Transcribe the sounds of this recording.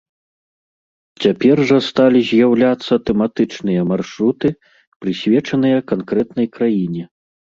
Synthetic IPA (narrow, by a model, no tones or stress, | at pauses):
t͡sʲapʲɛrʐɐst̪alʲizʲjawlʲat̪sːɐt̪ɛmat̪ɨt͡ʂnɨjɐmarʂɾut̪ɨ | pɾɨsʲvʲɛt͡ʂɐnɨjɐkankɾɛt̪nɐjkɾajinʲɛ